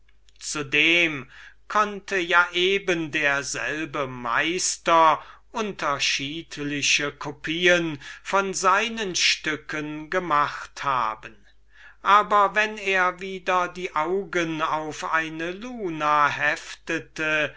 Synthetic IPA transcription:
t͡sudeːmkʰɔntʰəjaːʔeːbəndeːɐzɛ̰lbəma̰ɪstɐʔʊntɐʃiːtlɪɕəkʰopʰiːənfɔnzaɪnənʃtʏkənɡəmaχtha̰ːbən | ʔaːbɐvɛneːɐviːdɐdiːʔaʊɡənaʊfʔa̰ɪnəluːnaɦɛftətə

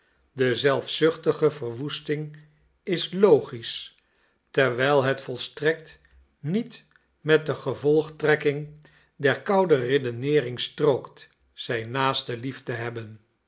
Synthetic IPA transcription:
dəzɛlˠfsʏχtəχəvərʋustɪŋ | ɪslowχis | tɛɹʋɛjlˠɦətfɔlˠstrɛk̚t | nit | mɛt̚dəχəvɔlˠχtrɛkɪŋ | dɛɹkɑwdəredənɪːrɪŋstrowkt | z̥ɛjnaːstəliftəɦɛbən

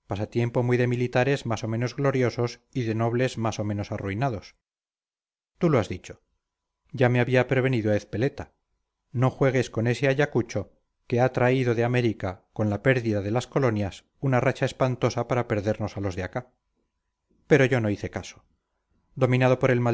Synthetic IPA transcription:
pasat̪je̞mpo̞mwiðe̞milit̪aɾe̞zmaso̞mẽ̞no̞zɣlo̞ɾjo̞so̞siðe̞no̞β̞le̞zmaso̞mẽ̞no̞saruinaðo̞s | t̪uloazðit͡ʃo̥ | ɟ͡ʝameaβiapɾeβ̞e̞niðoaeθpe̞le̞t̪a | no̞xwe̞ɣ̞e̞sko̞ne̞se̞aʎakut͡ʃo̞ | ke̞at̪ɾaiðo̞ðeame̞ɾikako̞nlape̞ɾðiðaðe̞lasko̞lo̞njas | unarat͡ʃae̞spant̪o̞sapaɾape̞ɾðe̞ɾno̞salo̞zðeaka | pe̞ɾo̞ʝo̞no̞iθe̞kaso̥ | d̪o̞mĩnað̞o̞poɾe̞lma

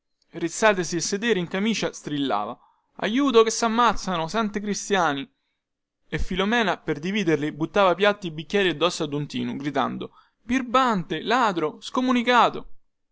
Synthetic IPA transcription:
rit̪sːaːt̪esiesːed̪ɛːɾeiŋkamiːt͡ʃast̪ɾilːa̰ːva | a̰juːt̪̬okesːamːat̪sːanosant̪ikɾist̪jaːni | efːilomɛːnaperd̪iviːd̪erlibut̪ːaːvapjat̪ːibikʲːɛːɾiad̪ːɔsːad̪unt̪ḭːnuɡɾit̪a̰nd̪o | birbant̪elaːd̪ɾoskomunikaːt̪o

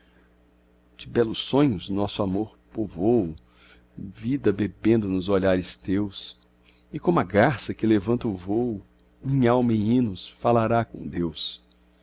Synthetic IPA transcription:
d͡ʒɪbɛlʊsːõɲʊznɔsʊamoɾpovowʊ | vid̪ɐbebẽnd̪ʊnʊzoʎaɾɪst̪ews | ɪkõmʊɐɡasɐkɪlevɐ̃nt̪ɐʊvowʊ | mĩɲawmɐɪĩnʊsfalaɾakõ̰d̪ews

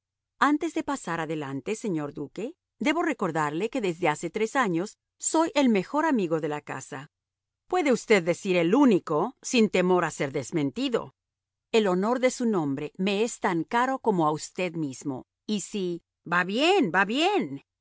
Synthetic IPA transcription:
ant̪e̞zðepasaɾaðe̞lant̪e̞se̞ɲo̞ɾd̪uke̞ | d̪e̞βo̞re̞ko̞ɾðaɾle̞ke̞ðe̞zðe̞ase̞t̪ɾe̞saɲo̞sː | o̞jʔe̞lme̞xo̞ɾamiɣo̞ðe̞laka̰sa | pwe̞ðe̞ust̪e̞ðːe̞siɾe̞luniko̞sint̪e̞mo̞ɾase̞ɾðe̞zmẽ̞nt̪iðo̞̰ | e̞lo̞no̞ɾðe̞sunõ̞mbɾe̞me̞est̪aŋkaɾo̞ko̞mo̞aust̪e̞ðmizmo̞̰ | isi | baβjenbaβjen

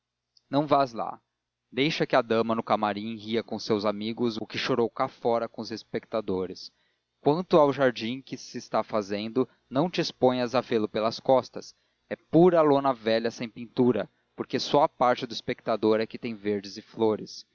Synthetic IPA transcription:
nɐ̃w̃vazla̰ | d̪ejʃɐkɪad̪ɐ̃mɐnʊkamaɾĩhiɐkõʊsewzamiɡʊzʊkɪʃoɾowkafɔɾɐkõʊzespek̚t̪ad̪oɾɪs | kwɐ̃nt̪ʊawʒaɾd͡ʒĩkɪsɪːst̪afazẽnd̪ʊ | nɐ̃w̃t͡ʃɪːspõj̃ɐzavelʊpelɐskɔst̪ɐs | ɛpuɾɐlonɐvɛʎɐsẽj̃pĩnt̪uɾɐ | poɾkesɔɐpaɾt͡ʃɪd̪ʊispek̚t̪ad̪oɾɛkɪt̪ẽj̃veɾd͡ʒɪzɪfloɾɪs

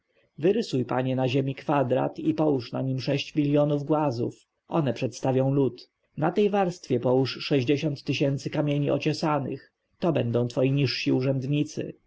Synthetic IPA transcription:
vɘɾɘsujpa̰ɲɛnaʑemʲikfad̪ɾa̰t̪ipɔwuʂna̰ɲimʂɛɕt͡ɕmʲilʲjɔnuvɡwazṵf | ʔɔ̰nɛpʂɛt̪st̪avʲjɔ̃w̃lut̪ | nat̪ɛjvaɾst̪fʲjɛpɔwuʂːɛʑd͡ʑeɕɔnt̪ːɘɕɛnt̪sɘkamʲjeɲiʔɔ̰t͡ɕɔsanɘ̰x | t̪ɔbɛnd̪ɔ̃w̃t̪fɔjiɲiʂɕiuʐɛnd̪ɲit̪sɘ̰

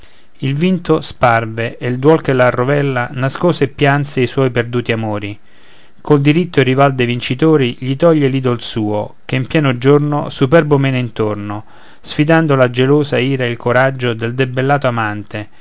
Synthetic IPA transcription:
ilvint̪osparveeld̪wɔlkelːarːovɛlːanaskoːsepːjant̪seiswɔjperd̪uːt̪iamoːɾi | kold̪iɾit̪ːoerːivald̪ejvint͡ʃit̪oːɾiʎit̪ɔʎːeliːd̪olsuːo̰k̟eimpjɛːnod͡ʒornosupɛrbomɛːneint̪orno | sfid̪and̪olad͡ʒeloːzaiːɾaeilkʰoɾad͡ʒːod̪eld̪ebelːaːt̪oamant̪e

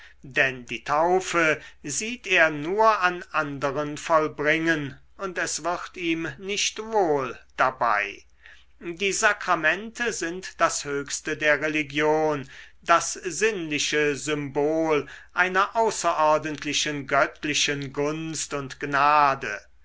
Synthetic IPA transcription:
dɛndiːtʰaʊfəziːteːɐnuːɐʔanʔandəʁənfɔlbʁɪŋən | ʊntɛsv̥ɪʁtiːmnɪʃtvoːld̥aba̰ɪ | diːzakʁ̥amɛntʰəzɪntd̥ashøːkstədeːɐʁeliɡjoːndasz̥ɪnlɪʃəzʏmboːlʔaɪnɐʔaʊsɐʔɔɐdəntʰlɪʃənɡœtʰlɪʃənɡʊnstʊntɡ̥naːdə̰

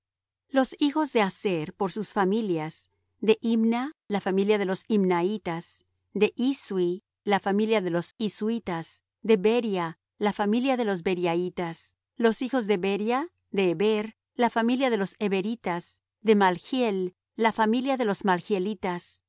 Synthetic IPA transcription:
lo̞sixo̞zðe̞aseɾpo̞ɾsusfamiljaz | ðe̞ʔimnalafamiljaðe̞lo̞simnait̪as | d̪e̞ʔiswi | lafamiljaðelo̞siswit̪as | d̪e̞beɾja | lafamiljaðe̞lo̞zbe̞ɾjait̪as | lo̞sixo̞zðe̞βeɾja | ðe̞ːβeɾ | lafamiljaðe̞lo̞seβeɾit̪as | d̪e̞malxjelː | afamiljaðe̞lo̞zmalxjelit̪as

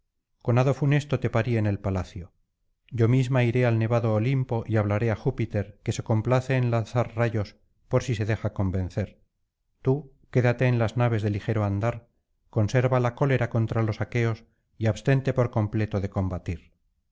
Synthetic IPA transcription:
ko̞naðo̞fune̞st̪ot̪e̞paɾie̞ne̞lpalaθjo̞ | ɟ͡ʝo̞mizmaiɾe̞alne̞βaðo̞ːlimpo̞ʔiaβ̞laɾe̞axupit̪e̞ɾke̞se̞ko̞mplaθe̞ːnlanθaɾraʝo̞s | po̞ɾsise̞ðe̞xako̞mbẽ̞nθe̞ɾ | t̪u | ke̞ðat̪e̞ːnlaznaβe̞zðe̞lixe̞ɾo̞and̪aɾ | ko̞nse̞ɾβalako̞le̞ɾako̞nt̪ɾalo̞sake̞o̞s | iaβst̪e̞nt̪e̞po̞ɾko̞mple̞t̪o̞ðe̞ko̞mbat̪iɾ

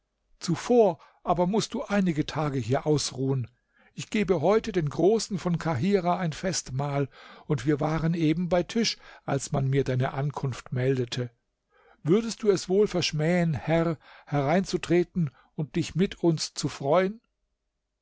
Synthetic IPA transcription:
t͡sufoːɐ | ʔaːbɐmʊst̚d̥uːʔaɪnɪɡətʰaːɡəɦiːɐʔaʊsʁuːən | ʔɪçɡ̥eːbəɦɔʏtədeːnɡʁoːsn̩fɔnkʰaɦiːʁaaɪnfɛstmaːlʊntv̥iːɐvaːʁənʔeːbm̩baɪtʰɪʃʔa̰lsmanmiːɐdaɪnəʔankʰʊnftmɛldətʰə | vʏɐdəst̚d̥uːɛsv̥oːlfɛɐʃmɛːənhɛʁhɛʁaɪnt͡sutʁ̥eːtn̩ | ʊnt̚d̥ɪçmɪtʰʊnst͡sufʁ̥ɔʏən

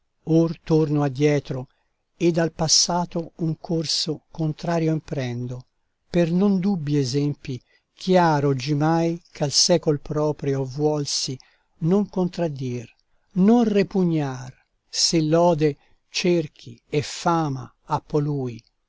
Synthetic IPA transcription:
ort̪ornoad̪ːjɛːt̪ɾo | ed̪alpasːaːt̪ouŋkʰorsokont̪ɾaːɾjoimpɾɛnd̪o | pernond̪ubːiɛzɛmpi | kʰjaːɾod͡ʒimajkʰalsɛːkolpɾɔːpɾjovwɔlsi | noŋkont̪ɾad̪ːir | nonrepuɲːar | selːɔːd̪e | t͡ʃerk̟ʰiefaːma̰ | apːoluːj

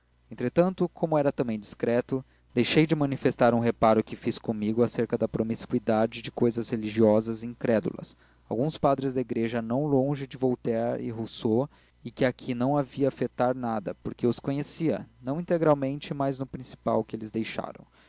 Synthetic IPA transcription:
ẽnt̪ɾet̪ɐ̃nt̪ʊkʰõmʊɛɾɐt̪ɐ̃mbẽj̃d͡ʒiskɾɛt̪ʊ | d̪̥ejʃejd͡ʒɪmɐ̃nifest̪aɾũɦepaɾʊkɪfiskõmiɡʊaseɾkɐd̪ɐpɾomiskwid̪ad͡ʒɪd͡ʒɪkojzɐzheliʒiɔzɐzĩkɾɛd̪ṵlɐ̰s | a̰wɡũspad̪ɾɪzd̪ɐiɡɾeʒɐnɐ̃w̃lõʒɪd͡ʒɪvowt̪ɛɾɪ̰ɦoso | ɪkɪakʰinɐ̃w̃aviɐːfet̪aɾnad̪ɐpoɾkeʊskõɲesiɐ̰nɐ̃w̃ĩt̪eɡɾawmẽnt͡ʃɪmajznʊpɾĩsi̥pa̰wkɪelɪzd̪ejʃa̰ɾɐ̰̃w̃

